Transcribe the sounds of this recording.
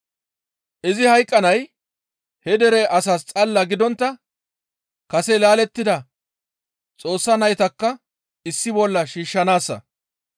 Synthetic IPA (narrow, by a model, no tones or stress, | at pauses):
ʔɪzɪhɐjkʼːɐnɐj | hɛd̪ɛɾɛʔɐsɐst͡sʼɐlːɐɡɪd̪ɔnt̪ːɐ | kɐsɛlaːlɛt̪ːɪd̪ɐ | t͡sʼo̞ːsːɐnɐjt̪ɐkːɐ | ɪsːɪbɔlːɐʃiːʃːɐnaːsːɐ̰